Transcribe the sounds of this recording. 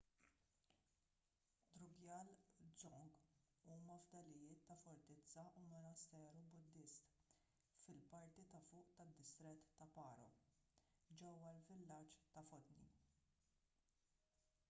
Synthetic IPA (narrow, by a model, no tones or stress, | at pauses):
d̪ɾʊɡjɐlzɔŋɡ | uːmɐvd̪ɐlɪjɪːt̪ːɐfɔɾt̪ɪt͡sːɐʔumɔnɐst̪ɛːɾubʊd̪ːɪst̪ | fɪlpɐɾt̪it̪ɐfʊːʔt̪ɐd̪ːɪst̪ɾɪt̪ːɐpɐːɾɔ̰ | d͡ʒɛwːɐlvɪlːɐt͡ʃt̪ɐfɔt̪nḭ